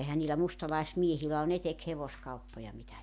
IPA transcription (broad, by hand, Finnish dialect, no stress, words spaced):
ehæ niːlæ mustɑlɑismiehilæ o ne tek heʋoskɑupːojɑ mitæ